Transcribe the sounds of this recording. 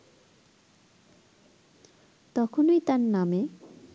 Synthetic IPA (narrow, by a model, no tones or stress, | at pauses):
t̪ʌkʰunojt̪anːame